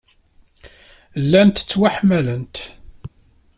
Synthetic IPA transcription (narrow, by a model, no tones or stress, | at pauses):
lːænt̪ə̥t͡sːwaħmælənt̪